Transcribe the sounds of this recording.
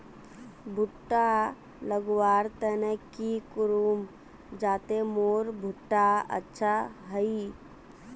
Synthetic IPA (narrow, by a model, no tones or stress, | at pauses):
bʱuʈːa | ləɡʋaːɾt̪ɛnekikʊɾum | d͡ʒaːt̪emoːɾbʱʊʈːaə̰tːʃʰaɦəi